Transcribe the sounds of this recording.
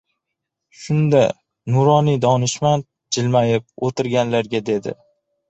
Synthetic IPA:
ʃʊnd̪a | nʊɾɒnid̪ɒnɪʃmant̪̚ | d͡ʒɪlmajɪp̚ot̪ʰɪɾɡʲanlaɾɡʲad̪e̞d̪ɪ̰

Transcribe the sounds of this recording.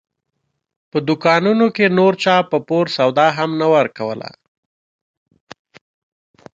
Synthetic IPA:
pəd̪ukɑnunokenoɾt͡ʃɑpəpoɾsawd̪ɑɦamnawəɾkawə̰la̰

